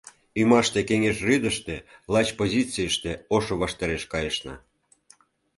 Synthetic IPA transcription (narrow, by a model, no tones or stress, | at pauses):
ymɑʃt̪ekeŋeʃryd̪əʃt̪elɑt͡ɕpozʲit͡sijəʃt̪eoʃoβɑʃt̪ɑɾeʃkɑjəʃnɑ̰